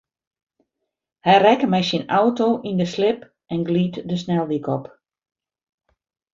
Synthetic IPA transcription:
hɛjrɛkəmɛjsinawtoːʔindəslɪp | ɛnɡliːtdəsnɛlˠdikɔp

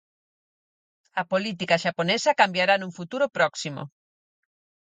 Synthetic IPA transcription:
ɐpolit̪ikaʃaponesɐkambjaɾanũŋfut̪uɾʊpɾɔksimo̰

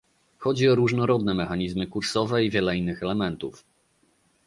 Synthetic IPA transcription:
xɔd͡ʑiɔɾuʐnɔɾɔd̪nɛmɛxaɲizmɘkuɾsɔvɛivʲjɛlɛinːɘxɛlɛmɛnt̪uf

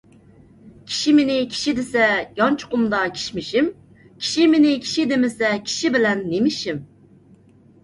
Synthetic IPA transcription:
kʲʰi̥ʃimenɪkʲʰi̥ʃid̪ɪsɛjɑnt͡ʃʰu̥qʊmd̪ɑkʲʰi̥ʃmɪʃim | kʲʰi̥ʃimenɪkʲʰi̥ʃid̪emɪsɛkʲʰi̥ʃibɪlɛnːemɪʃim

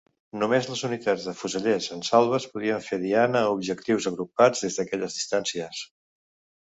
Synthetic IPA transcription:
numezləzunit̪ad͡zðəfuzəʎezənsalˠβ̞əspuðɾiəɱfeðianəubʒəkt̪iwzəɣɾup̚ad͡zðezðəkɛʎəzðist̪ansiəs

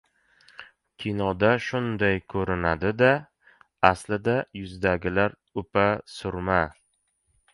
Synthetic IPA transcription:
kʲʰinɒd̪aʃʊnd̪ajkʰɵɾɪnad̪ɪd̪a | aslɪd̪ajʊzd̪aɡʲɪlaɾ | ʊpʰasʊɾma

